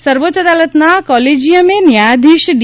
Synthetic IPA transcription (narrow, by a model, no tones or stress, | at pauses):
səɾʋoːʃəd̪alət̪nakɔled͡ʒijəmenjad̪ʱiʃd̪